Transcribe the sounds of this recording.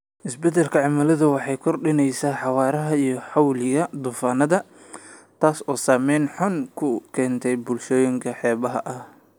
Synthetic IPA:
ʔɪsbɛd̪ɛlkʰɐʕɑmɐlɐðɐwɑħɑjkʰɔrɖɪnɛjsaːħɑwɑːɾɐɦɐijɞħɑwlɪɣɐd̪uːfaːnɐðɐ | t̪ʰaːsɔːsaːmɛjnħʊnkʰʊkʰɛːnt̪ʰɛjbʊlʃɔːjɪŋkʰɐħɛːβɐɦɐ̰ʔɐh

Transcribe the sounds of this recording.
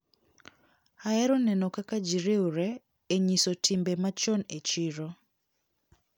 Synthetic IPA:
aɛɾɔnɛnɔkakad͡ʒiɾeuɾɛ | eɲisotʰimbemat͡ʃɔnet͡ʃiɾɔ

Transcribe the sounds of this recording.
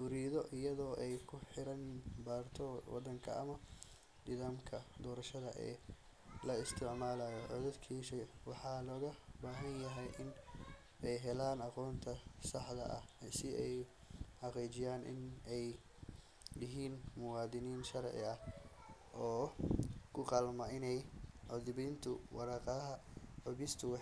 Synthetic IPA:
fʊɾiːðɔʔɪjɐðɔːʔɛjkʰʊħɪɾɐnbaːrt̪ʰɔwɑ̰d̪ɐŋkʰɐ̰ɐ̰mɐ | d̪ɪðaːmkʰɐd̪ɔːɾɐʃɐðɐʔɛ̰ː | lɐɪst̪ʰɪʕmaːlaːjɔʕɔðɛd̪kʰiːʃɛjwɑħɑːlɔːɣɐbaːɦɐnjɐɦɛjʔɪn | ɛjɦɛlaːnɑqɔːnt̪ʰɐsɑħd̪ɐ̰ʔɐ̰hsɪʔɛj | ħɑqiːt͡ʃɪjaːnʔɪ̰nɛj | jɪɦiːnmʊwɑːd̪ɪniːnʃɐɾʕɪ̰ɐh | ʔɔː | kʰʊqɑːlmɐɪnɛjʕɔðɪbiːnt̪ʰʊwɑɾɑːqɑɐɦɐʕʊβɪst̪ʰʊw

